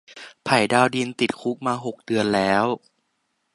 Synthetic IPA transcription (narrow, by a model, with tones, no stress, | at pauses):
pʰa˨˩jdaː˧wdi˧nt̪i˨˩t̪̚kʰu˦˥k̚maː˧ɦo˨˩k̚dɯ˧ənlɛː˦˥w